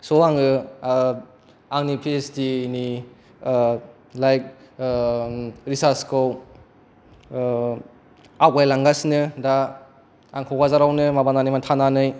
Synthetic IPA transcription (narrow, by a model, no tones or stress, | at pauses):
soaŋɯ | aŋnipʰestini | lajk̚ | ɾisaskʰɯw | awɡajlaŋɡasnɯda | aŋkʰɔwɡazaɾawnɯmabananimantʰananɯj